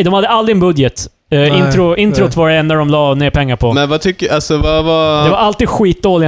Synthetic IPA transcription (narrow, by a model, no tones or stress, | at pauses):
d̪ɔmhad̪ːəald̪ɾɪɛnbɵd̪jət̪ | ɪnt̪ɾʊɪnt̪ɾʊt̪vɑɾɛnːaɖɔmlɑːneːɾpʰɛŋːaɾpʰɔmɛnvat̪ʰʏkːəasɔvavad̪ɛvaɾalt̪iːd̪ɧiːt̪̚d̪oːlɪ